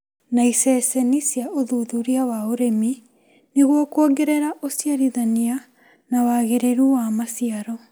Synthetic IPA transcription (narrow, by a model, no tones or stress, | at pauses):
naisɛsɛnisjaʔoðuðuɾiawaoɾemi | neɣwɔkwoɡeɾeɾaʔosjaɾiðania | nawaːɣeɾeɾuwamasiaɾɔ